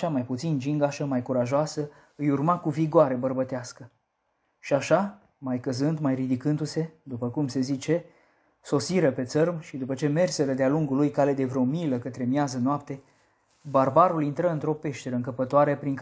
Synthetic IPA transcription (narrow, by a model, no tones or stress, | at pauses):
amajput̪sind͡ʒiŋɡaʃəmajkuɾaʒoasə | ɨjurmakuviɡoaɾe̞bərbət̪easkə | ʃiaʃa | majkəzɨnd̪majrid̪ikɨnd̪use̞d̪upəkumse̞zit͡ʃe̞ | so̞siɾəpe̞t̪sərmʃid̪upət͡ʃe̞me̞rse̞ɾəd̪ealuŋɡulujkale̞d̪e̞vɾeomiləkət̪ɾe̞mjazənoapt̪e̞ | barbaɾulint̪ɾəɨnt̪ɾo̞pe̞ʃt̪e̞ɾəɨŋkəpət̪oaɾepɾiŋk